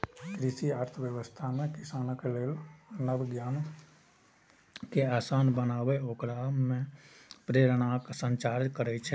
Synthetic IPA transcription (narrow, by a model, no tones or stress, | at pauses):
kɾɪʃiaːɾt̪ʰəʋjəʋəst̪ʰamẽkɪsaːnəkeleːlnəbɡjaːn | keaːsaːnbənaːʋeoːkɾaːmːẽpɾeːɾnaːksə̃ɲt͡ʃaːɾd͡ʒkəɾɛt͡ʃʰɛ